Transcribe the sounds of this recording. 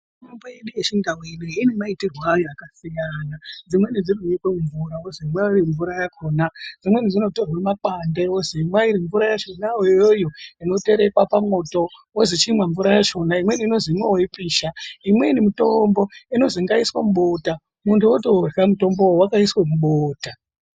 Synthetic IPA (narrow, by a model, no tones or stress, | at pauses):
mombojeɗujet͡ʃiŋɡawiniinemaitirwajoakasijanad͡zimwenid͡zirujikwemuɱvuɾaozimwairiɱvuɾajakoːnad͡zimwe̞nid͡zino̞torwamakandeozimwaiɾiɱvuɾajaʃo̞naojjojoino̞te̞ɾe̞kwapamo̞to̞ | ozit͡ʃimwaɱvuɾajaʃo̞naimwe̞ninozimwewoipiːʃaimwenimito̞mbo̞ino̞ziŋɡaiswamuɓo̞ta | muntʰuotorramuto̞mboowakaiswemuɓoːta